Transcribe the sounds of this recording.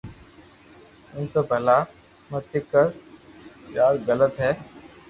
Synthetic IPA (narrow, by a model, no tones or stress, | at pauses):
ʊ̃ːt̪əbʱəlaː | mət̪ɪkːəɾ | jaːɾɣələt̪ɦɛː